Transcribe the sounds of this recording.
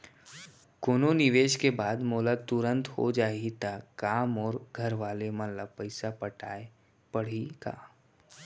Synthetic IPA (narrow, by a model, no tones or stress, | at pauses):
koːnonɪʋeːʃkebaːd̪moːlat̪ʊɾə̃nt̪ho̰d͡ʒaːit̪akaːmɔːɾɡʱɐɾʋaːlemənlapəɪsapəʈaːe | pɐɽ̤ika̰